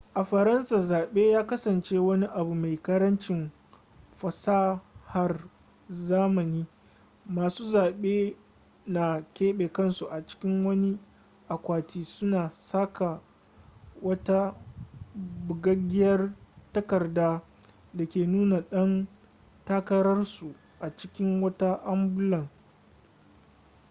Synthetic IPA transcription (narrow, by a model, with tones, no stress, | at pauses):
ʔa˨ɸɐ˨ɾɐ˦nsa˨zaː˨ɓeː˦jaː˦kɐ˦sɐ˨nt͡ʃe˦wɐ˦ni˦ʔa˨bu˨ma˨jkɐ˦ɾɐ˦nt͡ʃɪ˨m | ɸɐ˨saː˦ha˦r | zaː˦mɐ˨niː˦ | maː˨suː˦zaː˨ɓeː˦ | na˨kʲeː˦ɓeː˨kɐ˦˨nsu˨ʔa˨t͡ʃɪ̥˦kʲɪ˦ŋwɐ˦ni˦ | ʔa˨kʷaː˨tiː˦sʊ˦naː˨saː˦ka˨ | wɐ˦ta˦ | bʊ˨ɡɐ˦ɡʲɪ˦jɐ˦rtɐ˦kɐ˨rdaː˦ | da˨kʲeː˨nuː˦na˨ɗɐ˦n | ta˦kɐ˦ɾɐ˦rsu˨ | ʔa˨t͡ʃɪ˦kʲɪ˦ŋwɐ˦ta˦ʔa˦mbʊ˦lɐ˨ŋ